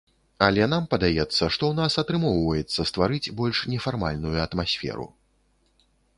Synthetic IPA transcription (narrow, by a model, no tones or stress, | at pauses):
alʲɛnampɐd̪ajɛt̪sːɐʂt̪ɔwn̪asɐt̪ɾɨmɔwvɐjɛt̪sːɐst̪vaɾɨt͡sʲbɔlʲʂnʲɛfarma̰lʲnujuɐt̪masʲfʲɛ̰ɾṵ